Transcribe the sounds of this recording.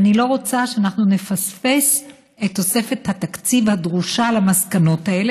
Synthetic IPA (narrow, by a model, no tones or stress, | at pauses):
nilo̞ʁo̞t͡saʃeanaχnune̞fasfe̞s | e̞t̪ːo̞se̞fe̞that̪akt͡sivhad̪ʁuʃalamaskano̞tae̞le